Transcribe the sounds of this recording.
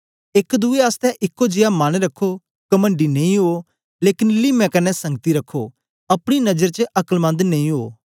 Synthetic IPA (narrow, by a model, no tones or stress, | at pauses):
eːkd̪ueaːst̪ɛʔɪkːod͡ʒɪjamaːñɾɐkʰːo | kɐmə̃ɳɖinẽĩɦo | leːkɪnlɪmɛ̃kɐnɛsɐ̃ŋɡt̪iɾɐkʰːo | ɐpɽ̃inɐd͡ʒəɾt͡ʃəʔɐkəlbɐ̃nd̪nẽːĩɦo̰ː